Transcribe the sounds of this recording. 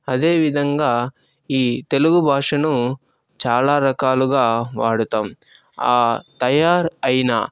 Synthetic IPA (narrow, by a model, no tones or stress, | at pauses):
ɐd̪e̞ːʋid̪ʱɐŋɡaː | iːt̪e̞luɡubʱaːʂɐnu | t͡ʃaːlaːɾɐkaːluɡaːʋaːɽut̪aːm | aːt̪ɐjaːɾɐjna̰ː